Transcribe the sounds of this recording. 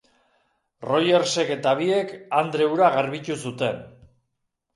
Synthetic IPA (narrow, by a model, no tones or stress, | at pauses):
ro̞je̞ɾse̞ke̞t̪aβ̞ie̞kand̪ɾe̞uɾaɣaɾβit͡ʃ̪usut̪e̞n